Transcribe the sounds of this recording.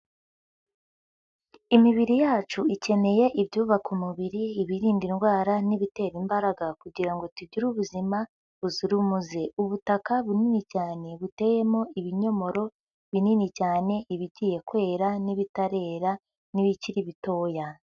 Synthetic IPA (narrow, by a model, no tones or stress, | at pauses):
imiβiɾijaːt͡ʃuice̞ne̞je̞ʔibɟuːβakumuβiɾiːβiɾiːndinɡwaːɾaniβite̞ːɾimbaɾaɡakuɟiɾaŋɡo̞tuɟiɾuβuzima | βuziɾumuzeʔuβutakaβuninicaːne̞βute̞ːje̞mo̞iβiɲo̞mo̞ɾo̞ | βininicaːne̞ʔiβiɟiːje̞kwe̞ːɾaniβitaɾe̞ːɾa | niβiciɾiβito̞ːja